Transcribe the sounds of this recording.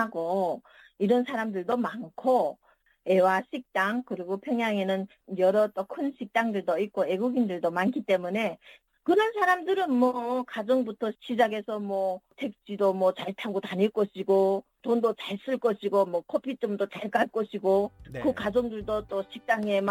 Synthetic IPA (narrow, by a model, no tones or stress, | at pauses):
aɡo | iɾʌnsʰaɾamdɯɭdomankʰo | e̞waɕʰik̚t͈aŋkɯɾiɡopʰjʌŋjaŋenɯn | jʌɾʌt͈okʰɯnɕʰik̚t͈aŋdɯɭdoik͈oe̞ɡuɡindɯɭdomankʰit͈e̞mune̞ | kɯɾʌns̬ʰaɾamdɯɾɯnmwʌkad͡ʑʌŋbutʰʌɕid͡ʑaɡe̞sʰʌmwʌtʰe̞k̚t͡ɕ͈idomwʌt͡ɕaɭtʰaɡotaɲiɭk͈ʌɕʰiɡo | tondot͡ɕaɭs͈ɯɭk͈ʌɕʰiɡomwʌkʰopʰit͡ɕ͈omdot͡ɕaɭk͈aɭk͈ʌɕʰiɡokɯkad͡ʑʌŋdɯɭdot͈oɕʰik̚t͈aŋem